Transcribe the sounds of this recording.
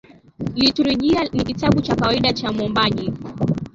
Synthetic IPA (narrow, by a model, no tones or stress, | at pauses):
lituɾuʄianikitaɓut͡ʃakawaiɗat͡ʃamɔmbaʄi